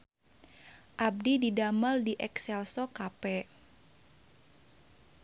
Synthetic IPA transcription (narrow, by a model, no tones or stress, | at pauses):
ʔab̚dididaməldiʔɛksɛlsɔkapɛ